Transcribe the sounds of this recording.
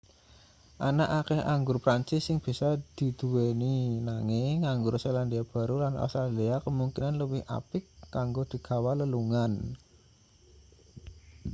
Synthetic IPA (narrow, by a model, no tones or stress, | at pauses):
ʔanaʔakɛhaŋɡʊrpɾaɲt͡ʃɪsːɪŋb̥i̤sad̪̥i̤d̪̥ṳweninaŋɪŋŋaŋɡʊrseland̪iab̥a̤ɾulanʔo̰st̪ɾaliakəmuŋkinanləwɪha̰pɪkːaŋɡod̪̥i̤ɡ̥a̤waləluŋan